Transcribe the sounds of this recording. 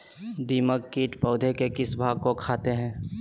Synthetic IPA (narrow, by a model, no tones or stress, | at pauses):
d̪iːməkːiːʈpəʊd̪ʱekekɪsbʱaːɡ̚kokʰaːt̪eɦɛ̃ː